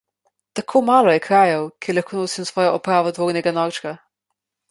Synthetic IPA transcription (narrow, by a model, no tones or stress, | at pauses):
t̪akʰoːmaːlɔjɛkɾaːjɔwkʰɛɾlaxkʰoːnoːsimsʋɔːjɔʔɔpɾaːʋɔd̪ʋoːɾnʲɛɡanɔːt͡ʃka